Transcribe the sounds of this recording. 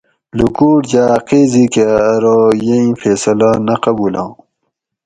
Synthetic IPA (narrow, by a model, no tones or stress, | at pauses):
lukuːʈd͡ʑaːqezikeɾojeĩfeːsɐlanɐqɐbuːlã̰ː